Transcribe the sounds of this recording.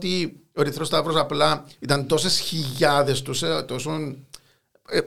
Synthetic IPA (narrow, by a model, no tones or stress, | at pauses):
t̪ioɾiθɾost̪ɐvɾosɐplɐit̪ɐnt̪o̞se̞sçiʎʝɐðe̞st̪uset̪o̞son